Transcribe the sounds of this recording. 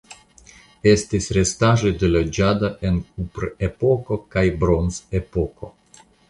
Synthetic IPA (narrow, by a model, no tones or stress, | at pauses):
e̞stisɾe̞staʒode̞lod͡ʒadaʔe̞nk̚upɾepo̞ko̞kajbɾo̞nzepo̞ko̞